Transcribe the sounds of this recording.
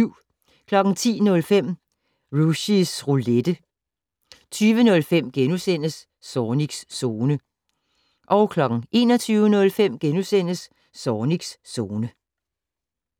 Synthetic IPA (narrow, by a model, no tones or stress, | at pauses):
ʊ̰ | kʰlɒ̽ɡ̥ŋ̩t͡sʰḭːnɔ̽lfem̰ | ʁuɕisʁuled̥ə | t͡sʰyːʋənɔ̽lfem̰ɡ̥enusen̰əsː | ɒːniɡ̥sːo̝ːnə | ʔɒ̽ʊkʰlɒ̽ɡ̥ŋ̩ʔe̝̰ːnɒ̽t͡sʰyːʊənɔ̽lfem̰ɡ̥enusen̰əsː | ɒːniɡ̥sːo̝ːnə